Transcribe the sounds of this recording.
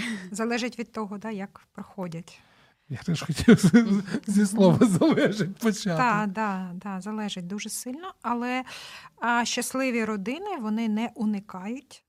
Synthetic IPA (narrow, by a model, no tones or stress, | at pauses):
zɐlˠɛʒɪtʲʋʲid̪̚t̪ɔɦɔd̪ɑjɐkpɾɔxɔdʲɐtʲ | jat̪ɛʃxɔtʲiw | zʲislˠɔʋɐzɐlˠɛʒɪt̚ʲpɔt͡ʃad̪ɑd̪ɑd̪ɑzɐlˠɛʒɪt̚ʲd̪uʒɛsɪlʲnɔɐlˠɛ | ʃt͡ʃːɐslˠɪʋʲiɾɔd̪ɪnɪʋɔnɪnɛʔunɪkɑjʊtʲ